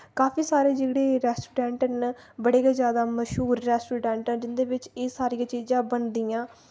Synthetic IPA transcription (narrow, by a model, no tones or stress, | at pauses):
kaːpʰiːsaːɾeːd͡ʒeːɽeːɾɛːsʈuːɖɛ̃ːɳʈənbəɽeːkaːzjaːd̪aːməʃɦuːɾːɛːsʈuːɖɛ̃ːɳʈɛ̃ːd͡ʒɪnd̪eːʋɪt͡ʃeːsaːɾijãːt͡ʃiːzãːbənd̪ijãː